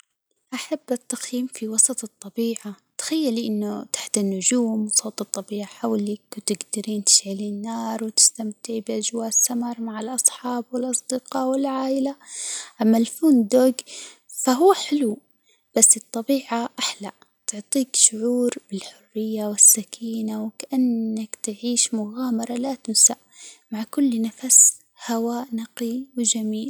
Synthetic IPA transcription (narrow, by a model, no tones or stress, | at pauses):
ʔaħabːʔat̪ːaxjiːmfiwɑsˤɑt̪ˤɨt̪ˤːɑbiːʕa | t̪ḁxajːaliʔɪnːʊt̪ḁħt̪anːʊd͡ʒuːmwsˤoːt̪ɨt̪ˤːɑbiːʕaħawlɪkwt̪ɪɡd̪ɪɾiːnt̪ɪ̥ʃʕaliːnːɑːɾˤwɪt̪ɪ̥st̪amt̪ɪʕbɪʔad͡ʒwaːʔsːamɑɾˤmaʕɪlʔɑsˤħɑːbwɪlʔɑsˤd̪ɪqɑːwɪlʕaːʔɪlaʔamːalfuːnd̪oːɡfaɦuːħɪlu | b̥asːɨt̪ˤːɑbiːʕaʔaħlaʔ | t̪ʊʕt̪ˤiːkʃʊʕuːɾbɪlħʊrːɪjːawɪsːakʰiːnawkaʔanːakt̪ɪʕiːʃmʊɣaːmɑɾˤɑlat̪ʊmsaʔmaʕkʊlːnafas | hawaːʔnɑqiwɪd͡ʒamiːl